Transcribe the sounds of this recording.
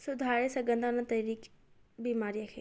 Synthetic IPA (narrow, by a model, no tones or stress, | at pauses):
sʊd̪ʱaːɾesɐɡənd̪ʱanat̪ɐjɾiːk | biːmaːɾijakʰeː